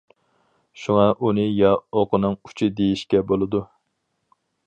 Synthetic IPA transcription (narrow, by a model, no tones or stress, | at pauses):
ʃuŋɑʔunɨjɑoqʰənɨŋu̥t͡ʃʰid̪ejiʃkʲɛbolˠɨd̪u